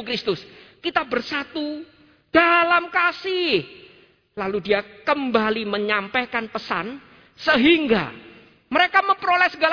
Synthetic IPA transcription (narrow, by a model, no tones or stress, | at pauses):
kɾɪst̪ʊskit̪abərsat̪u | d̥alamkasɪh | laludiakəmbaliməɲampekanpəsa̰n | səɦiŋɡa̰ | məɾekaməmpɾolɛsəɡal